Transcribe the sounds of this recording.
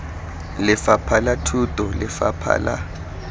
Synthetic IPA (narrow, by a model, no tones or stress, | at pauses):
lɪfapʰalatʰutʼɔlɪfa̰pʰa̰la̰